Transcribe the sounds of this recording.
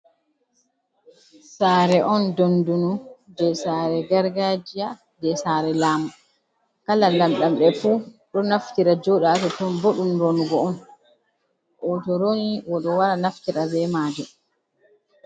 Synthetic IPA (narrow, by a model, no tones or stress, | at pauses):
saːɾɛʔɔndondunudɛsaɾɛɡaɾɡad͡ʒija | dɛsaːɾɛlaːma | kalalamɗamɓɛfuɗɔnaftiɾad͡ʒɔɗatɔtɔnboɗumɾonuɡɔɔn | ʔɔtɔɾoniwɔɗɔwaɾanaftiɾabɛmaːd͡ʒɛ